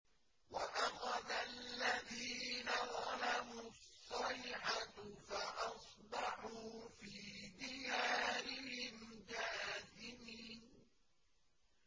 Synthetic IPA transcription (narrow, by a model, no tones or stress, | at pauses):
waʔaxɑd̪allːaðiːnaðˤɑlamusˤːɑjʕafaʔɑsˤbɑħuːfiːd̪ɪjaːɾɪhɪnd͡ʒaːzɪmiːn